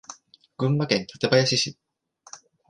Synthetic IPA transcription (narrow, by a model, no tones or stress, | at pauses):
ɡ̥ɯ̟̃mbakẽ̞nt̪ʰḁt̪e̞bajaɕiɕi